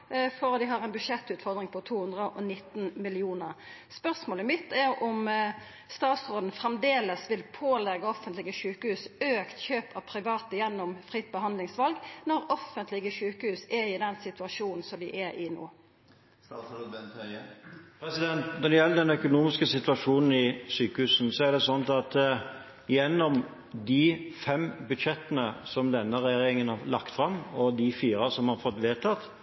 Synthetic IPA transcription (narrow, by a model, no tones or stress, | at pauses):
fɔɾd̪ɪɦɑːʁɛɪnbʉdʂɛt̪ːʉːt̪fɔʁd̪ɾɪŋpʰɔt̪ʰuːhʉnd̪ʁəʔɔnɪt̪ːnmɪlɪuːnəʁspœʁsmoːləmɪt̪ʰːæɾɔm | st̪ɑːt̪sɾoːd̪n̩fɾɛmd̪eːləsʋɪlpʰoːlɛɡːəɔfənt̪lɪɡəʃʉːkəhʉːsøːkt̪çøːpʰɑʋpʰɾɪʋɑːt̪əjɛnːʊmfɾɪt̪̚ːbəɦɑnd̪lɪŋsʋɑlɡnɔɾɔfːənt̪lɪɡəʃʉːkəhʉːsɛɪd̪ɛnsɪt̪ʉɑʂuːnn̩sɔmd̪ɪʔɛɾɪno̰ː | pʰɾɛsɪd̪ɛnt̪nɔʁd̪ɛjɛlːəd̪ɛnœkʊnuːmɪskəsɪt̪ʉʋɑʂuːnn̩ɪsyːkəhʉːsn̩sɔæɾd̪ɛsɔnt̪ɑt̪ | ɪjɛnːɔm | d̪ɪfɛmbʉd̪ʃɛt̪ːənəsɔmd̪ɛnːəɾɛjeːɾɪŋənhɑlɑ̰kt̪fɾɑmːɔd̪ɪfiːɾəsɔmhɑɾfɔt̪ːʋeːlt̪ʰɑt̪